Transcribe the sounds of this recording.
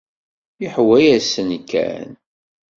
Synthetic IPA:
jɪħwæjæsənkːæ̰n

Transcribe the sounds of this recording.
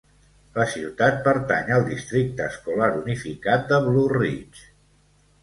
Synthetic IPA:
ləsiwt̪at̪̚pəɾt̪a̰ɲəlˠd̪ist̪ɾik̚t̪əːskulaɾunifikat̪̚d̪əβlurit͡ʃ

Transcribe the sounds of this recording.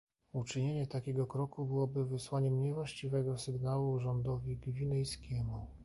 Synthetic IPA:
ut͡ʂɘɲeɲɛt̪akʲɛɡɔkɾɔkubɘwɔbɘvɘswaɲɛmɲɛvwaɕt͡ɕivɛɡɔsɘɡnawuʐɔnd̪ɔvʲiɡvʲinɛjskʲɛmu

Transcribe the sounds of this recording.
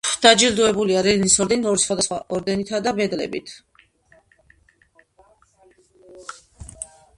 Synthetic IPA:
d̪̥ad͡ʒild̪uɛbuliaɾɛlinisɔɾd̪ɛniɔɾisχwad̪asχwa̰ʔɔɾd̪ɛnit̪ʰad̪abɛd̪lɛ̰bḭt̪ʰ

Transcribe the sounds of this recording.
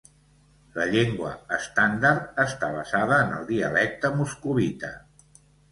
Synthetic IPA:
ləʎeŋɡwəəst̪and̪aɾt̪̚əst̪aβ̞əzaðəːnə̰lˠd̪iə̰lɛk̚t̪əmuskuβit̪ə

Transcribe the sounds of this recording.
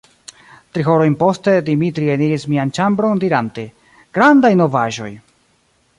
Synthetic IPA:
tɾiɦo̞ɾo̞jnpo̞ste̞dimitɾieniɾismiant͡ʃambɾo̞ndiɾante | ɡ̥ɾandajno̞vaʒo̞̰j

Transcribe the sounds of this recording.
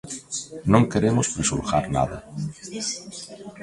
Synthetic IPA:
nõŋkeɾemospɾisṵɾxaɾna̰ða

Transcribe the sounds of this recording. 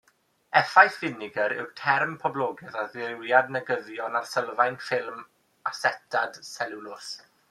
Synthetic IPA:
ɛfajθvɪnɪɡəɾɪ̰wtʰɛrmpʰɔblˠɔɡɛðaðɪwjadnəɡəðjɔnarsəlˠvajnfɪlˠm | asɛtʰad̥sɛlɪlʊs

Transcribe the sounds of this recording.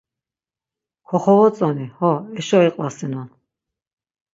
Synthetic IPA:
kʰɔχɔvɔt͡sʼɔnihɔɛʃɔɛqʼlasinɔn

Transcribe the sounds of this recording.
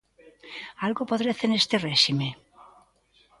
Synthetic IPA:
alɣopoðɾeθenest̪ereʃime

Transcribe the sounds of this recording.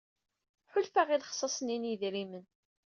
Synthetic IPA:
ħʊlfaʁiðχsˤːɑsˤninəðɾimən

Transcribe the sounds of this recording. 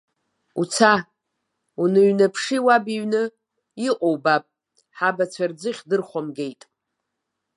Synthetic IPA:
ut͡sʰa | unɨɥnapʰʂiwabiɥnɨ | iqʼowbapʼ | ħabat͡sʷʰard͡zɨχʲdɨrχʷomɡʲe̞jtʼ

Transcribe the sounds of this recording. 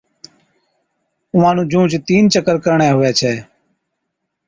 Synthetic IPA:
ʊʋãːnũːd͡ʒũːt͡ʃt̪iːnt͡ʃəkəɾkəɾɳɛ̃ːɦʊʋɛːt͡ʃʰɛː

